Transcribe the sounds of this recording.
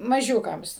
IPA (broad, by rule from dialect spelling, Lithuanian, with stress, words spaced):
mɐˈʒʲuːkɐms